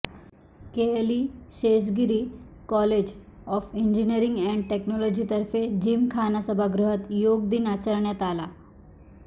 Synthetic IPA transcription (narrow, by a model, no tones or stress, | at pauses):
keliːɕeɕ̬ɡiɾiːkɔled͡ʑ | ɔfiɲd͡ʑiniəɾiŋɡɛ̃ɳɖʈeknɔlɔd͡ʑit̪əɾfed͡ʑiːmkʰanasəbʱaɡɾuɦət̪joɡd̪iːnat͡səɾɳjat̪ala